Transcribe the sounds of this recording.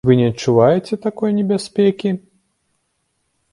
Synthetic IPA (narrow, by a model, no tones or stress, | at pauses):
vɨnʲɛɐtt͡ʂːuvajɛt͡sʲɛt̪akɔjnʲɛbʲasʲpʲɛkʲi